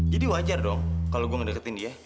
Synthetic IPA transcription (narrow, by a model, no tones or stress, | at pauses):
d͡ʒadiwad͡ʒardɔŋkaloɡuaŋədəkət̪ɪndia